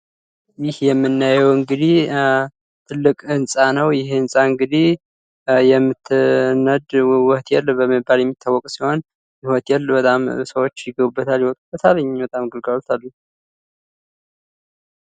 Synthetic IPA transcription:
jɪhjɛmːɨnːajɛwɨŋɡɨd̪i | t̪ʰɨlːɨkʼɨnsʼanəwjɪhɨnsʼaɨŋɡɨd̪i | jɛmːɨt̪nːəd̪wɔht̪ʰjɛlbəmɨbːaljɛmːit̪ʰːawːɔkʼsiho̞n | jɪwɔt̪jɛlbət̪ʼamsəwo̞t͡ʃːjɪɡəβubːət̪ʰaljwɔt̪ʼubət̪ʰaləɲbət̪ʼamɡɨlɡawlt̪ʰalːu

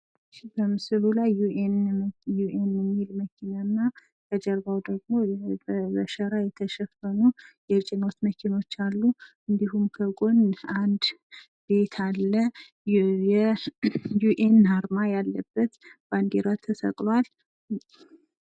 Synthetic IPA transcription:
bəmɨsɨlulajuʔenjuʔenjɛmːilməkʰinanːa | kʰəd͡ʒəɾbawd̪əɡ̚mo̞bəʃəɾajɛt̪ʰəʃɛfənujɛt͡ʃʼino̞t̪məkʰino̞t͡ʃːalːu | ɨnd̪iɦumkʰəɡʼo̞nand̪ | be̞t̪ʰalːə | jɛ | juʔenhaɾmajalːəbːət̪b̥and̪eɾat̪ʰəsə̰kʼlwal

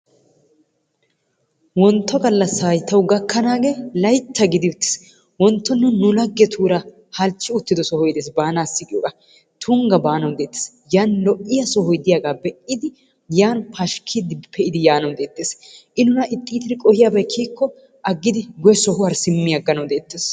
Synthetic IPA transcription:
wɔnt̪ːɔɡɐlːɐsaːjt̪ːɐwɡɐkːɐnaːɡeːlɐjt̪ʰːɐɡɪd̪ɪʊt̪ːɪ̥s | wɔnt̪ːɔnːʊnʊlɐɡːɛt̪ʰuːɾɐ | hɐlt͡ʃːɪʊt̪ːɪd̪ɔsɔhɔjd̪eːsbaːnaːsːɪkʼɪjɔːɡɐ | t̪ʰʊŋɡɐbaːnɐwd̪e̞ːt̪ːe̥s | jaːnlɔʔɪjɐsɔhɔjd̪ɪjaːɡaːbɛʔɪd̪ɪ | jaːnpʰɐʃkʰɪd̪ɪpʰɛʔɪd̪ɪjaːnɐwd̪e̞ːt̪ːeːsʔɪnʊnɐʔɪt̪ʼːiːt̪ɪɾɪkʼɔhɪjaːbɐjkʰiːkːɔ | ʔɐɡːɪd̪ɪɡɔjɛsɔɦʊwɐɾsɪmːɪjɐɡːɐnɐwd̪eːt̪ːeːs

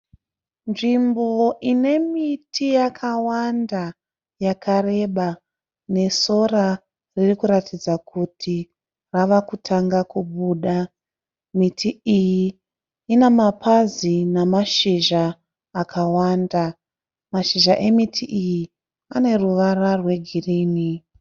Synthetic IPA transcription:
nʐimboʔine̞mitʰijakʰawanda | jakaɾe̞ɓa | ne̞so̞ra | ririkuɾatʰid͡zakʰutʰi | raʋakutʰaŋɡakuɓuːɗa | mitʰiijiː | nemapʰazinamaʃiʒaː | kʰawanda | maʃiʒaʔe̞mitʰiʔiji | ane̞ruʋararwe̞ɡʱiriːni

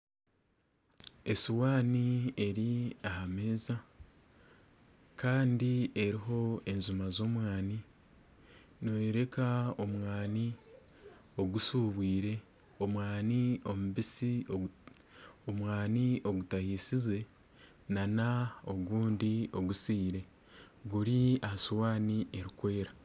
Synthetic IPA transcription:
e̞suwaːnieɾiahameːza | kaːndie̞ɾiɦo̞e̞nzumazo̞ːmwaːni | noweɾe̞kaomwaːni | o̞ɡusuːβwiːɾe̞ | o̞mwaːnio̞muβisio | omwaːnio̞ɡutahiːsize̞ | nanao̞ɡuːndio̞ɡusiːɾe̞ | ɡuɾiahasuwaːnie̞ɾikwe̞ːɾa

